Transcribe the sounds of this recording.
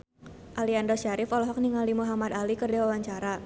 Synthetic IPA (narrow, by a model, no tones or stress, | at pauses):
ʔaliandɔʃaɾɪfɔlɔɦɔk̚niŋalimuɦamad̪alikərdawawaɲt͡ʃaɾa